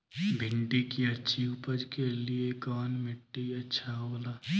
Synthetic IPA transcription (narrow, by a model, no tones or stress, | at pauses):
bʱɪɳɖikiəːʃʰiupəd͡ʒkeliekɔːnmɪʈːiiətːʃʰaɦoːlaː